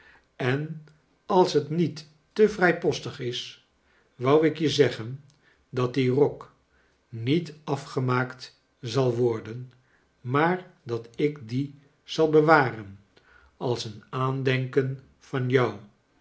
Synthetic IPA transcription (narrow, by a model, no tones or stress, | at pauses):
ɛn | ɑlˠsɦətnitː | əvrɛjpɔstəχɪs | ʋʌwɪkjəzɛχən | dɑt̚dirɔk | nitɑfχəmaːkt | zɑlˠʋɔɹdən | maːɹdɑtɪkdi | z̥ɑlˠbəʋaːrən | ɑlˠsənaːndɛŋkən | v̥ɑnjʌw